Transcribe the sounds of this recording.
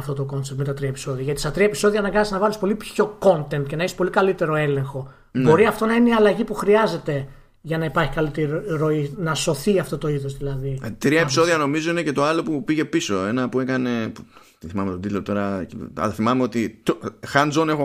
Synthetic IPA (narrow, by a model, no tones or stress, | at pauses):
ɐft̪o̞t̪oko̞nsep̚t̪met̪ɐt̪ɾiɐepiso̞ðiɐʝɐt̪isɐt̪ɾiɐepiso̞ðiɐnɐɡɐnɐsnɐvɐlispo̞lipço̞ko̞nt̪e̞nt̪ce̞nɐeçi̥spo̞likɐlit̪e̞ɾo̞e̞le̞ŋxo̞ | bnbo̞ɾiɐft̪o̞nɐineiɐlɐʝipuxɾiɐze̞t̪e̞ | ʝɐnɐipɐɾçi̥kɐlit̪iɾɾo̞inɐso̞θiɐft̪o̞t̪o̞iðo̞zðilɐðit̪ɾiɐepi̥so̞ðiɐno̞mizo̞inece̞t̪o̞ɐlo̞pupiʝe̞piso̞e̞nɐpue̞kɐne̞pu | t̪iθimɐmet̪od̪it̪lot̪o̞ɾɐiɐ̰lɐθimɐmeo̞t̪it̪oxɐnd͡zone̞xo